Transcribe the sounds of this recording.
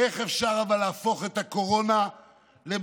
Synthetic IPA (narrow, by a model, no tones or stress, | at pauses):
eχefʃaʁavalaːfo̞χet̪ako̞ʁo̞na | leb